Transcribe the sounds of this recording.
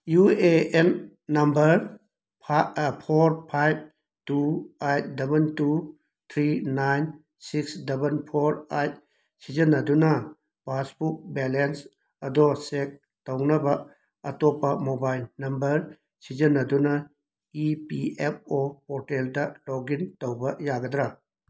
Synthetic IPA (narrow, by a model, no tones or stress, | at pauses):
jueenː | ɐmbɐɾʰ | pʰoɾpʰajb̚ | tuajt̚dɐbɐntu | t̪ʰɾinajn | siksdɐbɐnpʰoɾajt̚ | sid͡ʒɐnːɐdunɐ | basbuk̚belens | ɐdɔsek̚ | townɐbɐ | ɐtɔpːɐmobajlnɐmbɐɾ | sid͡ʒɐnːɐdunɐ | ipiep̚ʰopɔteldɐloɡintowbɐjaɡɐd̪ɾa